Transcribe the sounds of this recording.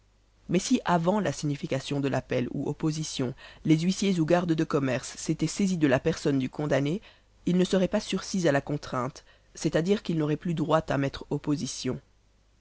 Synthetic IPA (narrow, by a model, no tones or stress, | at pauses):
mɛsiʔavɑ̃lasiɲifikasjɔ̃d̪əlʔapɛlṵʔo̰pozisjɔ̃lezɥisjezuɡaʁd̪d̪əkɔmɛʁsːet̪ɛsezid̪əlapɛʁsɔnd̪ykʰɔ̃d̪ane | ilnəsəʁɛpasyʁsizalakɔ̃t̪χɛ̃t̪ | sɛt̪ad̪iʁkilnoʁɛplyd̪ʁwat̪amɛt̪χopozisjɔ̃